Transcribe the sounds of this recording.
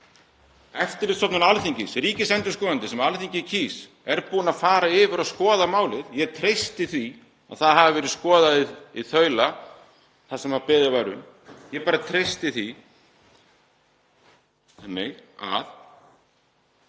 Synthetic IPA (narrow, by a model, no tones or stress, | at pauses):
ɛft̪ɪɾlɪsɔp̪nʏnalθiɲcɪsɾiːcɪsɛnt̪ʏ̥ɾskɔːðant̪ɪsɛmalθiɲcɪcʰiːs | ɛɾpuːnafaːɾaɪːvʏɾaðskɔːðamaːwlɪðjɛɣt̪ʰɾejst̪ɪθi | a̰ðθaðɦavɪvɛːɾɪðskɔːðaðiiθœːɥla | θasɛmhaɾpɛːðɪvaːɾʏ̰n | jɛpaːɾat̪ʰɾejst̪ɪθi | ɛnːeja̰ð